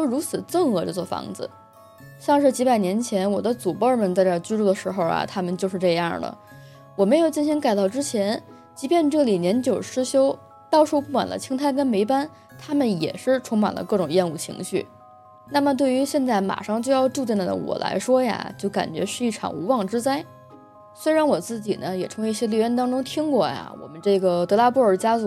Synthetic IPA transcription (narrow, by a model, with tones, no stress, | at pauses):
o˥˩ɻu˧˥t͡sʰɹ̩˨˩t͡sɤ˥˩ŋxɤ˧˥ʈ͡ʂo˥˧˩t͡swɔ˥˩fɑ̰˧˥ŋd͡zɹ̩̰˧ | ɕjɑ˥˧ŋʂ̬ɻ̩˥˩t͡ɕi˧˥pa˨˩ɪnjɛ˧˥nt͡ɕʰjɛ˧˥nwɔ˨˩d̪ə˦t͡su˨˩pɔ˥˩mə˨˩nt͡sa˥˧ɪʈ͡ʂə˞˥˩t͡ɕy˥ʈ͡ʂu˥˩d̪ə˩ʂɻ̩˧˥xo˧ʊɐ̰˩t̪ʰa˥mə˨nt͡ɕjo˥˧ʊʂ̬ɻ̩˥˧ʈ͡ʂɤ˥˧jɑ̰˥˩lə̰˩ | wɔ˨˩me˧˥ɪjo˨˩ʊt͡ɕi˥˩nɕi˧˥ŋka˨˩ɪt̪ɑ˥˩ʊʈ͡ʂɻ̩˥t͡ɕʰjɛ˧˥n | t͡ɕi˧˥pjɛ˥˧nʈ͡ʂɤ˥˩li˨˩njɛ˧˥nt͡ɕjo˨˩ʊʂɻ̩˥ɕjo˥ʊ | t̪ɑ˥˧ʊʂu˥ʊpu˥˩kwa̰˨˩nd̪ə̰˦t͡ɕʰi˥ŋt̪ʰa˥˩ɪkə˥nme˧˥ɪpa˥n | t̪ʰa˥mə˨njɛ̰˨˩ʂɻ̩˥˩ʈ͡ʂʰʊ˧˥ŋma̰˨˩nlə̰˦kɤ˥˩ʈ͡ʂʊ˨˩ŋjɛ˥˧nu˥˩t͡ɕʰḭ˧˥ŋɕy˥˩ | na˥˩mə˩t̪we˥˩y˧˥ɕjɛ˥˧nt͡sa˥˩ɪma̰˨˩ʂɑ˥˧ŋt͡ɕjʊjɑ˥˧ʊʈ͡ʂu˥˧i˥˩nd̪d̪ə̰˧˩wɔ̰˨˩lʔa̰˧˥ɪʂwɔ˥ja̰˨t͡ɕjo˥˩ʊka̰˨˩nt͡ɕɥɛ̰˧˥ʂɻ̩˥˧i˥˩ʈ͡ʂʰɑ̰˨˩ŋu˧˥wɑ˥˩ŋʈ͡ʂɻ̩˥t͡sa˥ɪ | swe˥ɪɻa˧˥nwɔ˨˩t͡sɹ̩˥˩t͡ɕḭ˨˩nə˦jɛ˨˩ʈ͡ʂʰɤ˧˥ŋ˧i˥˩ɕjɛ˥li˧˥ɥɛ˥nt̪ɑ˥ŋʈ͡ʂʊ˥ŋt̪ʰi˥ŋkwɔ˥˩ja̰˩wɔ̰˨˩mə˦nʈ͡ʂɤ˥˩ɡə˩t̪ɤ˧˥la˥pu˥˩ə˞˨˩t͡ɕja˥t͡su˨˥˩